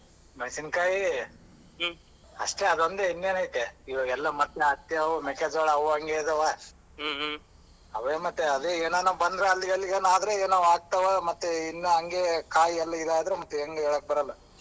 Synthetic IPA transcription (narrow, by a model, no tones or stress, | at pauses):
mɐjsinkaːji | ɐʂʈeɐd̪ond̪einːeːnɐit̪ːeiʋɐɡɛlːɐmɐt̪ːeaːkt̪jɐʋumeked͡ʒaɭɐɐʋuɐŋɡeid̪ɐʋɐ | ɐʋeːmɐt̪ːeɐd̪eeːnaːnɐbɐnd̪ɾeɐlːiɡɐlːiɡeːnaːd̪ɾeeːnaːʋaːɡ̚t̪ɐʋɐmɐt̪ːeinːuɐŋɡekaːjiɛlːɐid̪aːjd̪ɾemɐt̪ːeeŋɡeeːɭoːk̚bɐɾɐlːɐ